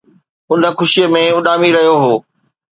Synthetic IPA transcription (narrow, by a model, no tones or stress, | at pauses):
ʊnə̆xʊʃijəmẽʊɗaːmiɾɐɦijoɦoː